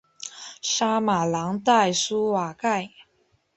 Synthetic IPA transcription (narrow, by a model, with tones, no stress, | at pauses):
ʂa˥ma˨˩lɑ˧˥ŋt̪a˥˩ɪsu˥wa˨˩ka˥˩ɪ